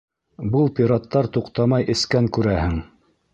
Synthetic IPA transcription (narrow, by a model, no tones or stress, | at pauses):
bɤlˠpʲiɾɑt̪ːɑɾt̪uqt̪ɑmɑjʔɘ̆skæŋkʉɾæhɘŋ